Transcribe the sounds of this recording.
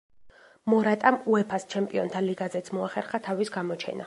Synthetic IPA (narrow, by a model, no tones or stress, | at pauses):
mɔɾat̪ʼamuɛpʰast͡ʃʰɛmpʼiɔnt̪ʰaliɡazɛt̪sʰmɔaχɛɾχat̪ʰavisɡamɔt͡ʃʰɛ̰nʔa̰